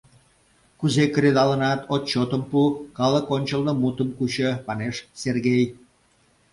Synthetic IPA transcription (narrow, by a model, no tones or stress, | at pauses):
kuzekəɾed̪ɑlənɑt̪ʰot̪̚t͡ɕot̪əmpukɑləkonʲt͡ɕəlnəmut̪əmkut͡ɕəpɑneʃserɣej